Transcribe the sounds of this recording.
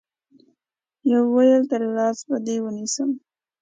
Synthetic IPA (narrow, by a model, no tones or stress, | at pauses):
jawːajəlt̪aɾlɑsbad̪ewənisəm